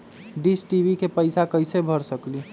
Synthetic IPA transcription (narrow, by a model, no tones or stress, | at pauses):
ɖisʈiʋikepəɪsakəɪjsebʱəɾsəkli